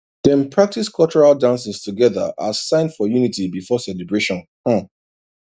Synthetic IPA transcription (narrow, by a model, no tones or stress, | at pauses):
d̥ɛ̃npʰɹak̚tiskʰɔt͡ʃɔɹaldãnsɪ̃stʰuɡɛðə̰ʔa̰zsãɪ̃ndfɔjunitibifɔsɛlɛbɹeʃɔ̃n | h̩